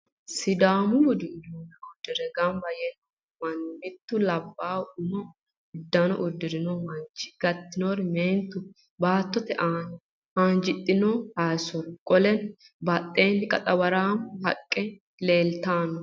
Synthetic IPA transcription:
sɪd̪aːmʊwɔd̪ɪnːoːnɐɔd̪ːɪɾɛɡɐnbɐjɛn | mɐnːɪt̪ːʊlɐbːaːwʊmɔ | ɪd̪ːɐnɔ̰ʔʊd̪ːɪɾɪnɔmɐnt͡ʃːɪ̥ɡ̥ɐt̪ːɪnoɾmeːnt̪ːʊ | baːt̪ːɔt̪ɛʔaːn | haːnd͡ʒɪt̪ʼːɪnɔhaːsɔɾkʼɔlɛn | bɐt̪ʼːeːnkʼɐt̪ʼɐbɐɾaːmhɐkʼːɛ | le̞ːlt̪aːnɔ

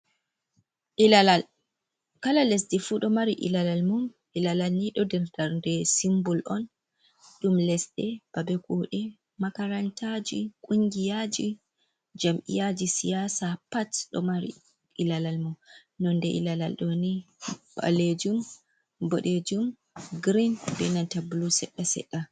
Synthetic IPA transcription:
ʔilalal | kalalesdifuɗɔmaɾiʔḭlalalmum | ʔilalalniɗɔdɛɾtaɾndɛsimbɔlʔɔn | ɗumlɛsɗɛb̥abɛkuɗɛ | makaɾantʰad͡ʒikʼuŋɡijad͡ʒi | d͡ʒamʔḭjad͡ʒisijasapatɗɔ̰maɾḭ | ʔilalalmum | nɔndɛʔḭlala̰lɗɔniba̰led͡ʒum | bɔɗed͡ʒum | ɡɾinbɛ̰nantabulusɛɗːasɛ̰ɗːa

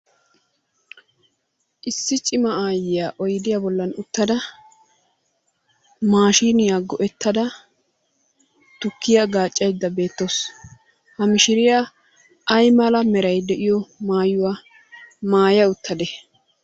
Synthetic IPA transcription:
ʔɪsːɪt͡ʃʼɪmɐaːjɪjaːʔɔjd̪ɪjabɔlːɐnʊt̪ːɐd̪ɐ | maːʃiːnɪjaɡɔʔɛt̪ʰːɐd̪ɐ | t̪ʊkʰːɪjaɡaːt͡ʃʼːɐjd̪ːɐbe̞ːt̪ːos | hɐmɪʃɪɾɪja | ɐjmɐlɐmɛɾɐjd̪ɛʔɪjɔmaːjʊwaː | maːjɐʊt̪ːɐd̪ɛ

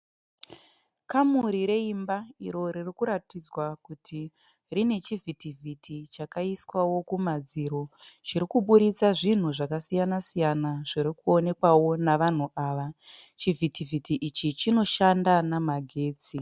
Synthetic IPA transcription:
kamuɾiɾe̞imbaiɾo̞ririkuɾatid͡zwakutʰi | rine̞t͡ʃivʱitivʱitʰit͡ʃakaiswawo̞kumad͡ziɾo̞t͡ʃiɾikuɓuɾit͡saʐin̤uʐakasijanasijanaʐiɾikuo̞ne̞kwawo̞naʋan̤uʔaːʋat͡ʃivʱitivʱitiʔit͡ʃit͡ʃino̞ʃandanamaɡʱe̞ːt͡si

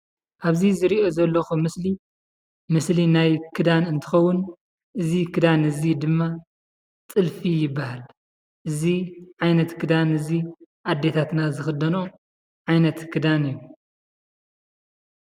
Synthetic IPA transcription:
ʔaβzizɨɾiʔo̞zɐlːoxumɨsli | mɨslinajkʰɨd̪anɨnt̪ʰɨ̥xɐwːʊn | ʔɨzikʰɨd̪anɨzid̪ɨmːa | t͡sʼɨlfijɪbːahal | ʔɨziʕajnɐt̪kʰɨd̪anɨzi | ʔad̪ːe̞t̪ʰat̪nazɨxɨd̪ɐno | ʕajnɐt̪kʰɨd̪anɨjːu

